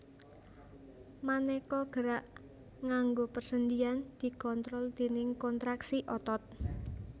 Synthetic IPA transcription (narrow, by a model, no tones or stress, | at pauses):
manekɔɡ̥əɾaʔ | ŋaŋɡopərsənd͡ʒ̪iand̪̥i̤kɔnt̪ɾɔld̪̥e̤nɪŋkɔnt̪ɾaksiʔɔt̪ɔt̪̚